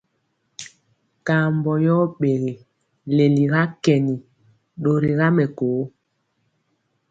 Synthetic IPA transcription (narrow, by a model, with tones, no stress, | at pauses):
ka˨mbɔ˨jɔ˦ɓe˨ɣe˨ | le˨li˨ɣa˦kɛ˨ni˨ | ɗo˨ɾi˨ɣa˦mɛ˨koː˨˦